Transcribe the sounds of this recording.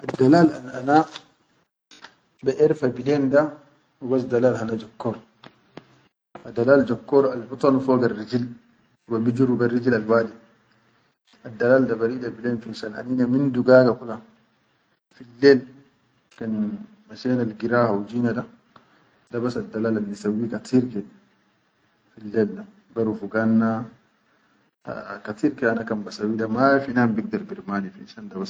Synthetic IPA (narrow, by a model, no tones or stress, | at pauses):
ʔadːalala̰nana | bɛʔɛɾfabilenda | wubas̬dalalhanad͡ʒakːɔɾ | adalaːld͡ʒɔkːɔɾalbut̪ˤɑnfɔɡarːid͡ʒil | wabid͡ʒuɾuɡarːid͡ʒilalwaːdi | adːalaːldabaɾidabilenfinsana̰ninaminduɡaːɡakula | filːɛl | kan | maʃɛnalɡiɾahawd͡ʒinaɗa | dɐbasadːalalanisawikat̪iɾkɛ | filːɛlda | baɾufuɡanːa | kat̪iɾkɛanakɐmbasawiɗamafinambiɡ̚dɐɾbiɾmaːnifḭʃandabas